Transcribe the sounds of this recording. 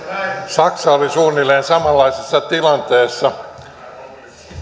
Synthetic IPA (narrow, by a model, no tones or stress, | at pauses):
sɑksɑolisuːnileːnsɑmɑlːɑisisːɑt̪ilɑnt̪eːsːɑ